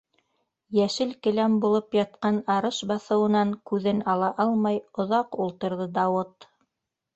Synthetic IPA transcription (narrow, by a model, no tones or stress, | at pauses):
jæʃɘlkɘ̆læmbulˠɤpjɑt̪̚qɑnɑɾɤʃbɑθɤ̆wɤ̆nɑŋkʉðɘnɑlˠɑʔɑlˠmɑjŏðɑqulˠt̪ɤ̆ɾðɤd̪ɑwɤt̪